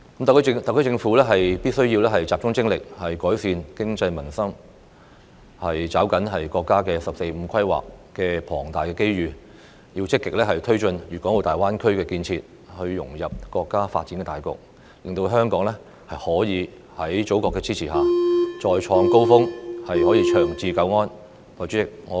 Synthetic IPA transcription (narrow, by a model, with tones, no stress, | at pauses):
kɐ˦˥mt̪kʰːt̪ɐ˨kʰːt͡sɪ˧ŋfuː˨˥lɛː˥ɦɐ˨jpiː˥t̚sɵ˥ɥjiː˧wlɛː˥ɦɐ˨˩jt͡saː˨p̚t͡ʃʊ˥ŋt͡sɪ˥ŋlɪ˨k̚hɐ˨jkɔː˨˥jsiː˨˧nkɪ˥ŋt͡sɐ˧jmɐ˨˩nsɐ˥m | hɐ˨jt͡saː˨˥wkɐ˨˥nɦɐ˨jkɔː˧kːaː˥kɛː˧sɐ˨p̚se˧jm̩˨˧˥kʰɐ˥jwa̰ː˨kkɛː˧pʰɔː˨˩ŋt̪aː˨jkɛː˧ke˥jɥyː˨˩ | jiː˧wt͡sɪ˥kːɪ˨k̚lɛː˥ɦɐ˨jt̪ʰɵ˥ɥt͡ʃɵ˧njyː˨˩kɔː˨˥ŋo˨˩t̪aː˨jwaː˥nkʰɵ˥ɥkɛː˧kiː˧nt͡sʰiː˧t̚ | hɵ˧ɥjʊ̰˨˩ŋjɐ˨p̚kɔː˧kːaː˥fa̰ː˧t̚t͡si˨˥nkɛ˧t̪aː˨˩jkʊ̰˨k̚ | lɪ˨ŋt̪o˧ɦœː˥ŋkɔː˨˥ŋlɛ˥ | hɐ˨jhɔː˨˥jiː˨˧ | hɐ˨˥jt͡so˨˥wkɔː˧kːɛː˧t͡sʰiː˥t͡sʰiː˨˩ɦaː˨t͡ʃɔː˧jt͡ʃʰɔː˧ŋko˥wfʊ˥ŋhɐ˨jhɔː˨˥jiː˨˧t͡ʃʰœː˨˩ŋt͡siː˧kɐ˧wŋɔː˥n | wɔː˨˩jt͡ʃy˨˥ɪ˨k̚ŋɔː˨˧